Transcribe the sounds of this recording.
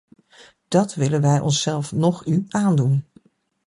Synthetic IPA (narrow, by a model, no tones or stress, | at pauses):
d̥ɑtʋɪlənʋɛjʔɔ̰nsɛlˠfnɔχyʔaːndun